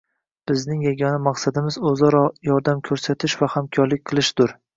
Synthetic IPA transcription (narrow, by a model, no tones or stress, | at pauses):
b̥ɪznɪŋjaɡʲɒnamaqsad̪ɪmɪzɵzɒɾɒjɒɾd̪amkʲʰɵɾsat̪ʰɪʃvahamkʰɒɾlɪk̚ʲqʰɨlˠɪʃd̪ʊɾ